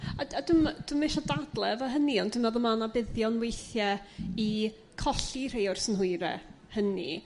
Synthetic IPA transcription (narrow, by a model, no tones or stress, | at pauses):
aadʊmd̥umeʃɔdadlˠɛvɔɦəniɔndɪmɛðɔmanabɪðjɔnwejθjɛi | kʰɔɬir̥ejʊrsənɦʊɨɾɛ̰ | hənḭ